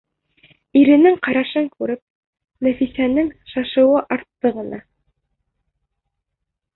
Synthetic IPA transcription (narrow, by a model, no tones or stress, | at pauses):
iɾɘ̆nɘŋqɑɾɑʃɤŋkʉɾɘp̚ | næfisænɘŋʃɑʃɤ̆wɤʔɑɾt̪ːɤʁɤ̆nɑ